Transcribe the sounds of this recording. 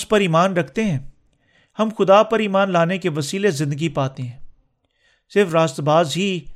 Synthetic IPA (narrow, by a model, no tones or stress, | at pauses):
spɐɾiːmaːnɾɐkʰt̪eɦɛ̃ː | hɐmxʊd̪apɐɾiːmaːnlaːnekeʋɐsiːlezɪ̃nd̪əɡipaːt̪eɦɛ̃ː | sɪɾfɾaːst̪baːzɦi